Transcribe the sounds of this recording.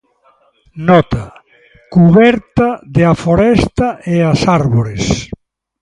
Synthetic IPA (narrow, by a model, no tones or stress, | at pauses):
nɔt̪a | kuβɛɾt̪ɐðeafoɾɛst̪ɐʔeasaɾβoɾes